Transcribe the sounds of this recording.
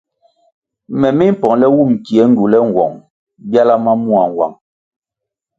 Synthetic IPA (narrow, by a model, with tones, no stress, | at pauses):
mɛ˨mi˦m̩˦pɔ˨ŋlɛ˦wu˦˨m̩˨ki˨ɛ˨˦ŋ̩˦ɡu˨lɛ˦ŋ̩˨wɔ̰˨ŋ | bja˦la˦ma˦mu˦a˨ŋ˨wa̰˨ŋ